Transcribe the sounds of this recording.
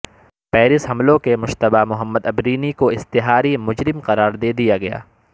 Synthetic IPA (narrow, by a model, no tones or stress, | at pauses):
pɛːɾɪsɦɐmlõkemʊʃt̪ɐbamʊɦəmːəd̪ɐbɾiːnikoɪst̪ɪɦaːɾimʊd͡ʒɾɪmqɐɾaːɾd̪eːd̪ijaɡɐja̰ː